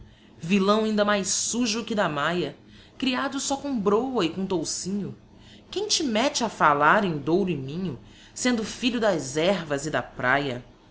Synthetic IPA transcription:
vilɐ̃w̃aĩnd̪ɐmajsuʒʊkɪd̪ɐmajɐ | kɾiad̪ʊsɔkõbɾowɐɪkõt̪owsĩɲʊ | kẽj̃t͡ʃɪmɛt͡ʃɐfalaɾẽj̃d̪owɾʊɪmĩɲʊ̰ | sẽnd̪ʊfiʎʊd̪ɐzɛɾvɐzɪd̪ɐpɾajɐ

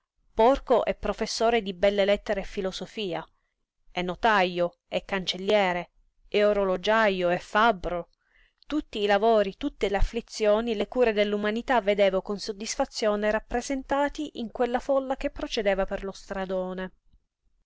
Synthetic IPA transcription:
pɔrkoʔɛpːɾofesːoːɾed̪ibɛlːelɛt̪ːeɾeːfːilosofiːa | ɛnːot̪ajːo | ɛkːant͡ʃelːjɛːɾe | eoɾolod͡ʒajoɛfːabɾo | t̪ut̪ːiːlavoːɾit̪ut̪ːeleafːlit̪sːjoːnilekuːɾed̪elːumanit̪avːed̪eːvokonsod̪ːisfat̪sːjoːneɾapːɾezent̪aːt̪iʔiŋkwelːafɔlːak̟epːɾot͡ʃed̪eːvaperlost̪ɾad̪oːne

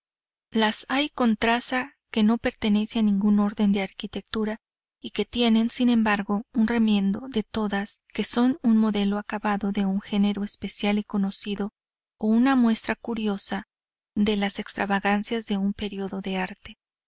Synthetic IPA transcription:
lasajko̞nt̪ɾasa | ke̞no̞pe̞ɾt̪e̞ne̞seanĩŋɡuno̞ɾðe̞nd̪e̞aɾkit̪e̞k̚t̪uɾa | ike̞t̪je̞ne̞nsinẽ̞mbaɾɣo̞unre̞mje̞nd̪o̞ðe̞t̪o̞ðaske̞so̞nunmo̞ðe̞lo̞akaβaðo̞ðe̞uŋxe̞ne̞ɾo̞espe̞sjaliko̞no̞siðo̞ː | unamwe̞st̪ɾakuɾjo̞sa | ðe̞lase̞kst̪ɾaβaɣansjazðe̞umpe̞ɾio̞ðo̞ðe̞aɾt̪e

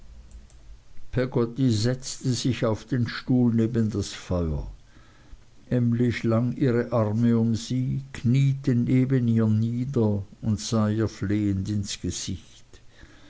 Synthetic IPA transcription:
pʰɛɡɔtizɛt͡stəzɪçaʊfd̥eːnʃtuːlneːbəndasfɔʏɐ | ʔɛmlɪʃlaŋʔiːʁəʔaʁməʊmziːkʰniːtəneːbəniːɐniːdɐʊntz̥aːiːɐfleːəntɪnsɡ̥əz̥ɪç | t

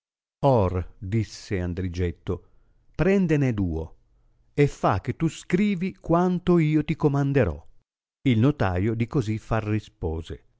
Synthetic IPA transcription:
ɔrd̪isːeand̪ɾid͡ʒɛt̪ːo | pɾɛnd̪ened̪uːo̰ | efːa̰k̟ːet̪ːuskɾiːvikwant̪oiːot̪ikomand̪eɾɔ̰ | ilnot̪a̰ːjod̪ikozifarːispɔːze

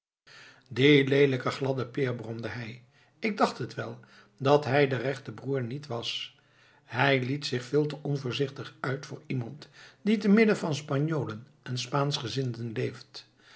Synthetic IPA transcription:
dɪlejləkəχlɑdəpɪːɹbrɔmdəɦɛj | ɪɡ̚dɑχtɦətʋɛlˠ | dɑtɦɛjdərɛχtəbruːɹnitʋɑs | ɦɛjlitsɪχfɪːlˠtəʔɔnvʊːɹzɪχtəχœɥtfʊːɹimɑntd̥itəmɪdəvɑnspɑɲoːlən | ɛnspaːnsχəzɪndənlejft

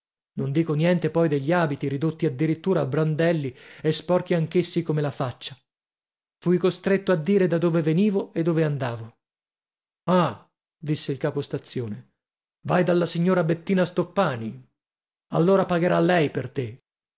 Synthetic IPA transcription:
nond̪iːkonjɛnt̪epɔjd̪eʎːiaːbit̪iɾid̪ot̪ːiad̪ːiɾit̪ːuːɾaːbːɾand̪ɛlːiespɔrk̟iaŋk̟esːikomelafat͡ʃːḁ | fujkost̪ɾet̪ːoad̪ːiːɾed̪ad̪oːveveniːvoed̪ːoːveand̪aːvo | a | d̪isːeilkaːpost̪at̪sːjoːne | vajd̪alːasiɲːoːɾabet̪ːiːnast̪opːaːni | a̰lːoːɾapaɡeɾalːɛjpert̪e

